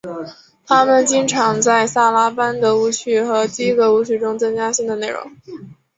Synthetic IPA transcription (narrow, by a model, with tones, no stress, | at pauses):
t̪ʰa˥mə˨nt͡ɕi˥ŋʈ͡ʂʰɑ˧˥ŋt͡sa˥˧ɪsa˥˩la˥pa˥nd̪ə˨u˧˥t͡ɕʰy˥˩xɤ˧˥t̪i˥i˥ɡə˨u˧˥˩t͡ɕʰy˥˩ʈ͡ʂʊ˥ŋt͡sɤ˥ŋt͡ɕja˥ɕi˥˩ŋd̪ə˩ne˥˩ɪɻʊ̰˧˥˦ŋ